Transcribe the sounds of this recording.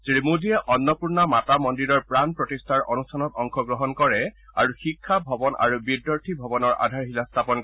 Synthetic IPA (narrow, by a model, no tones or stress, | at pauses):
tɹimudʱiɛʔɔnːɔpuɹnamatamɔndiɹɔɹpɹanpɹɔtistʰaɹʔɔnustʰanɔtɔŋkʰɔɡɹɔɦɔnkɔɹɛa̰ɹuxikʰːabʱɔbɔnʔa̰ɹubidːɔɹtʰibʱɔbɔnɔɹʔa̰dʱaɹɦilastʰapɔnk